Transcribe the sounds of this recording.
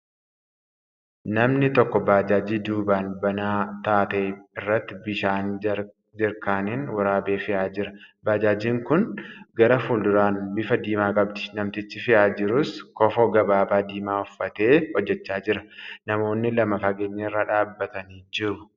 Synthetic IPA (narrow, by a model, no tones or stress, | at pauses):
nɐmnɪt̪ɔkːɔbaːd͡ʒaːd͡ʒiːd̪uːbaːnbɐnaːt̪aːt̪eːɪrːɐt̪ːɪbɪʃaːn | d͡ʒɪɾkaːniːnwɐɾaːbeːfɪʔaːd͡ʒɪɾɐbaːd͡ʒaːd͡ʒiːŋkʊnɡɐɾɐfuːld̪ʊɾaːnbɪfɐd̪iːmaːkʼɐb̚t̪ɪ̥nɐmt̪ɪt͡ʃːɪfɪʔaːd͡ʒɪɾʊskɔfɔɡɐbaːbaːd̪iːmaːʊfːɐt̪e̞ːhɔd͡ʒːɛt͡ʃːaːd͡ʒɪɾɐnɐmo̞ːnːɪlɐmɐfɐɡeːɲːɐɪrːaːᶑaːbːɐt̪ɐniːd͡ʒɪɾʊ